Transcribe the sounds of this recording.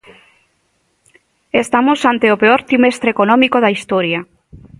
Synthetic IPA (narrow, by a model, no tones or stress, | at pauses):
est̪amosant̪eopeoɾt̪ɾimest̪ɾekonɔmikoðaist̪ɔɾja